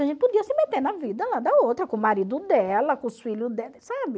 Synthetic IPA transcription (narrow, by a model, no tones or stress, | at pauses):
ɐʒẽt̪ɪpod̪iɐsɪmet̪eɾnɐvid̪ɐlad̪ɐowt̪ɾɐkõmaɾid̪ʊd̪ɛlɐkõsfiʎʊd̪ɛsabɪ